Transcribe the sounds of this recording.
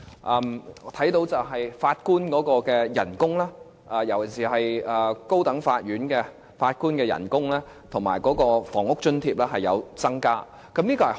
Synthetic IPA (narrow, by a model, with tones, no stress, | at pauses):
ʔɛ˧mː˨˧˥t̪ʰɐ˨˥jt̪o˨˧wt͡sɐ˨wɦɐ˨jfaː˧t̚kuː˥nkɔː˨˥kɔː˧kɛː˧jɐ̰˨˩nkʊ˥ŋlaː˥ | ʔɐ˨˧jɐ˨˩wjɐ˨˩nsiː˨˩ɦɐ˨jɐː˨ko˥wt̪ɐ˨˥ŋfaː˧t̚ɥyː˨˥nkɛː˧ | faː˧t̚kuː˥nkɛː˧jɐ̰˨˩nkʊ˥ŋlɛː˥ | t̪ʰʊ˨˩ŋmaː˨˩jkɔː˨˥kɔː˧fɔ̰ː˨˩ŋʊ˥k̚t͡ʃɵ˥nt̪ʰiː˧p̚lɛː˥ɦɐ˨jɐ̰˨˧wt͡sɐ˥ŋkaː˥ | kɐ˨˥mliː˥kɔː˧hɐ˨˩